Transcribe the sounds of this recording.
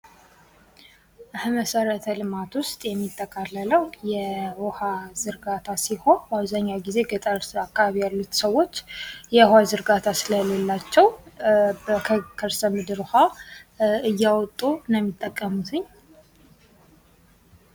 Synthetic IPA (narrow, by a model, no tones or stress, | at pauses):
ʔɨhɨməsəɾət̪ʰəlɨmat̪wʊst̪ʼjɛmːit̪ʼːəkʼalːələwjɛwɔhazɨɾɡat̪ʰasiho̞nbaβzaɲːawɡize̞ɡət̪ʼəɾakːaβaβijalːut̪səwːo̞t͡ʃːjɛwhazɨɾɡat̪ʰasɨləlelːat͡ʃːɛw | bəkʰəkʰəɾsəmɨd̪ɨɾha | ɨjːawɔt̪ʼːunəmːit̪ʼːəkʼːəmut̪ʰɨɲː